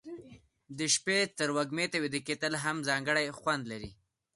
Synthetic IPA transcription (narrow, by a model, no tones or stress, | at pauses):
d̪əʃpet̪əɾwaɡmet̪awid̪əket̪əlɦamzɑŋɡəɽajxwand̪laɾi